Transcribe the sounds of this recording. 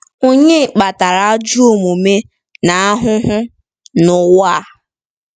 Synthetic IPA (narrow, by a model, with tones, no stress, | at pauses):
o˦ɲe˦˨k͡pa˨ta˨ɾa˨a˦d͡ʒu˦o˨mu˨me˦ | na˨a˦ɦʊ˦ɦʊ˦ | nʊ˨wa˦˨˦